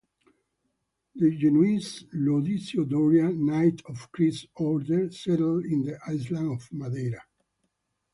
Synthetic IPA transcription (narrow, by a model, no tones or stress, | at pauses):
d̪əd͡ʒɛnuislod̪isiod̪ɔɹjanajt̪ʰɔfkɾisɔɾd̪əɹsɛɾlĩnd̪əʔajslãnɔvmad̪ɛɾa